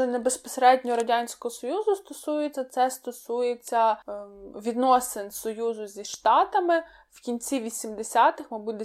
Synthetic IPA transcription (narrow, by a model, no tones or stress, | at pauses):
ɛnebespɔseɾɛdʲnʲɔɾɐdʲanʲsʲkɔɦɔsɔjuzʊst̪ɔsujet͡sʲːɐt̪sɛst̪ɔsujet͡sʲːɐ | ʋʲid̪nɔsɪnsɔjuzʊzʲiʃt̪ɑt̪ɐmɪ | wkʲinʲt͡sʲiʋʲisʲimd̪esʲat̪ɪxmɪbud̪e